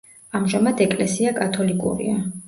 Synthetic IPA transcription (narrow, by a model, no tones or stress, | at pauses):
amʒamad̪ɛkʼlɛsiakʼat̪ʰɔlikʼṵɾḭa